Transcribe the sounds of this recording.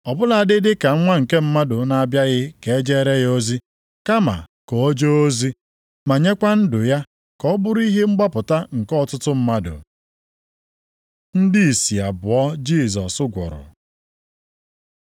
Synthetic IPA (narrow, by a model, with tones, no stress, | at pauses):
ɔ˨bʊ˦la˨a˨dɪ˦dɪ˦ka˨˦ŋʷa˦ŋ̩˨ke˦m̩˦ma˦dʊ˨na˨a˨bja˦ɣɪ˦ke˨e˦d͡ʒe˦ɾe˦jo˦zi˦ | ka˦ma̰˨kɔ˨˦d͡ʒo˦o˦zi˦ | ma˨ɲe˦kʷa˦n̩˦dʊ˨ja˦ | kɔ˦bʊ˦ɾi˦ɦe˦ŋ͡m̩˦ɡ͡ba˦pʊ˨ta˦ŋ̩˨kɔ˦tʊ˦tʊ˦m̩˦ma˦dʊ̰˨ | n̩˦di˦i˨si˨a˨bʊ˨ɔ˦d͡ʒi˦˨zɔ̰˨sʊ˦ɡʷɔ̰˨ɾʊ̰˨